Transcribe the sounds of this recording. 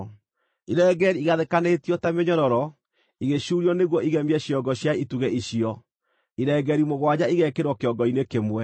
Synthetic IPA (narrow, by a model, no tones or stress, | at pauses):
iɾɛːɡɛɾiiɣaðekanetiɔtameɲɔɾɔɾɔ | iɣeɕuɾiɔneɣwɔiɣɛmɛɕiɔɡɔɕjaituɣɛʔiɕiɔ | iɾɛɡɛɾimoɣwad͡ʑaiɣɛkeɾwɔkeɔɡɔinekemwɛ